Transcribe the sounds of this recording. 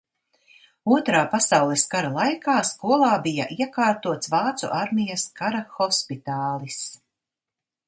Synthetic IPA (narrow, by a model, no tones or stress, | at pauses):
uɔt̪ɾaːpasawlˠɛskaɾalˠajkaːskuɔlˠɑːbijɐʔiɛkaːɾt̪uɔt̪svaɑːt̪sṵʔaɾmijɐskaɾaxɔspit̪aːlˠis